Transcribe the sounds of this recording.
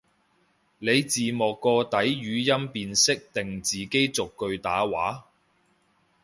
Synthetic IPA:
le˨˧jt͡siː˨mɔː˨kːɔː˧t̪ɐ˨˥jɥyː˨˧jɐ˥mpiː˧nsɪ˥k̚t̪ɪ˨ŋt͡siː˨ke˥jt͡sʊ˨kːɵ˧ɥt̪a̰ː˨˥wa̰ː˨˥

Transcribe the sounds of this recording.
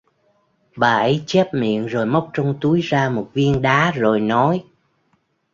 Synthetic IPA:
ɓaː˨˩ʔə˨˦jt͡ɕɛ˦˥p̚mḭ˧˨ənzo˨˩jma˦˥wk͡p̚t͡ɕə˧wŋ͡mt̪u˨˦jzaː˧mo˨˩t̚vi˧ənɗaː˨˦zo˨˩jnɔ˨˦j

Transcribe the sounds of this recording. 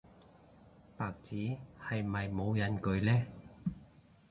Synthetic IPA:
paː˨k̚t͡siː˨˥hɐ˨jmɐ˨jmo˨˧wjɐ˨˥nkɵ˨˧ɥlɛː˥

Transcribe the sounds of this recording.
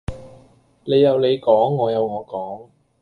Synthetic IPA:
le˨˧jːɐ˨wle˨˧jkɔː˨˥ŋːɔː˨˧jɐ˨wŋɔː˨˧kɔː˨˥ŋ

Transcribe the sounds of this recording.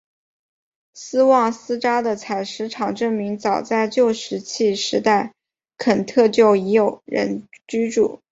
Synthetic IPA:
sɹ̩˥wɑ˥˩ŋsɹ̩˥ʈ͡ʂa˥d̪ə˨t͡sʰa˨˩ɪʂɻ̩˧˥ʈ͡ʂʰɑ˨˩ŋʈ͡ʂɤ˥˩ŋmi˧˥ŋt͡sɑ˨˩ʊt͡sa˥˧ɪt͡ɕjo˥˧ʊʂɻ̩˧˥t͡ɕʰi˥˩ʂɻ̩˧˥t̪a˥˩ɪ | kʰə˨˩nt̪ʰɤ˥˧t͡ɕjo˥˩ʊi˧˥jo˨˩ʊɻə̰˧˥nt͡ɕy˥ʈ͡ʂṵ˥˩

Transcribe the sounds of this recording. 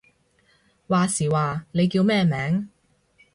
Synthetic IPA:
waː˨siː˨˩waː˨ne˨˧jkiː˧wmɛː˥˧mɛː˨˥ŋ

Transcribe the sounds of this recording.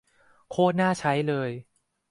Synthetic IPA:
kʰoː˥˩t̪̚naː˥˩t͡ɕʰa˦˥jlɤː˧j

